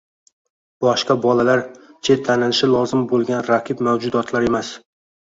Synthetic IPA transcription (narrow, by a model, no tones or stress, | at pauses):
b̥ɒʃqɑbɒlalaɾt͡ʃʰe̞t̪ʰːanɪlɪʃɪlˠɒzɪmbolˠɡʲanɾaqʰɨbmawd͡ʒʊd̪ɒt̪ʰlaɾe̞mas